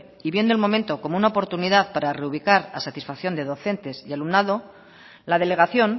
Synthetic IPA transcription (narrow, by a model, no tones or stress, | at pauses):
iβje̞nd̪oelmo̞mẽnt̪o̞ko̞mounaopo̞ɾt̪uniðaðpaɾare̞uβ̞ikaɾa̰sat̪isfakθjo̞nd̪e̞ð̞o̞θe̞nt̪e̞sjalumnaðo̞ | laðe̞le̞ɣ̞aθjo̞n